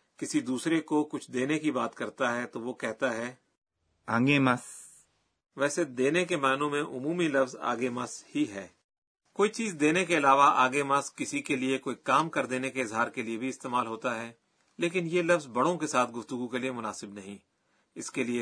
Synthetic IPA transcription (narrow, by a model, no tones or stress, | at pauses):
kɪsid̪uːsɾekokʊt͡ʃʰd̪eːnekibaːt̪kɐɾt̪aɦɛt̪oʋokɛɦt̪aɦɛː | ə̰̃ŋɡemɐs | ʋɛːsed̪eːnekemɛːnõmẽʔʊmuːmilɐfza̰ːɡemɐshiɦɛː | koːit͡ʃiːzd̪eːnekeɪlaːʋaʔa̰ːɡemɐskɪsikeliekoːikaːmkɐɾd̪eːnekeɪzɦaːɾkeliebʱiɪst̪eːmaːlɦoːt̪aɦɛː | leːkɪnjelɐfzbɐɽõkesaːt̪̚ʰɡʊft̪ʊɡukeliemʊnaːsɪbnɐɦĩ | ɪskelie